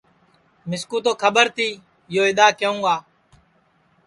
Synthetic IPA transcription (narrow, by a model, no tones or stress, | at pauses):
mɪskuːt̪oːkʰəɓəɾt̪ʰiː | joːɪɗ̪aːkəũːɡaː